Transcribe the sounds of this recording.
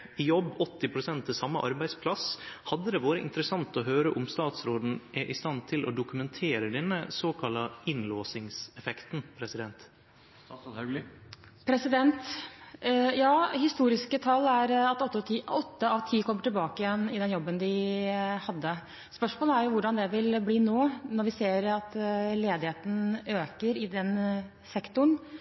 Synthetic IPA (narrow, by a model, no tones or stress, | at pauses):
ɪjɔbːɔt̪ːɪpʰɾʊsɛnt̪ʰːɪsɑmːəʔɑɾbæɪspʰlɑshɑd̪ːəd̪ɛʋoːɾəʔɪ̰nt̪əɾəsɑnt̪ɔɦøːɾəʔʊmst̪ɑːt̪sɾoːd̪n̩ʔɛʔɪst̪ɑnt̪ʰɪlʔɔ̰d̪ʊkʉmɛnt̪ʰeːɾəd̪ɛnːəsoːkʰɑlɑɪnloːsɪŋsɛfɛkt̪n̩pʰɾɛsɪd̪ɛnt̪ | pʰɾɛsɪd̪ɛnt̪ | jɑːhɪst̪uːɾɪskət̪ʰɑlːæɾɑt̪ɔt̪ːɔt̪ʰiɔt̪ːəɑʋt̪ʰiːkʰɔmːəʈɪlbɑːkəjɛnɪd̪ɛnjɔbːənd̪ɪhɑd̪ːə | spœʂmoːləæɾjʊʋʊɖɑnd̪ɛʋɪlbliːnoːnɔɾʋɪseːɾɑt̪leːd̪ɪheːt̪n̩øːkəɾɪd̪ɛn | sɛkt̪ʊɳ